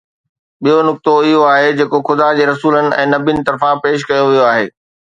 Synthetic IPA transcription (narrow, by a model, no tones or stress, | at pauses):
ɓijonʊk̚t̪oɪɦoaːɦed͡ʑeːkoxʊd̪ad͡ʑeːɾɐsuːlənɪ̆ɛ̰̃ːnɐbinɪ̆t̪ɐɾfãpeːʃ̬kɐjoʋijoaːɦḛː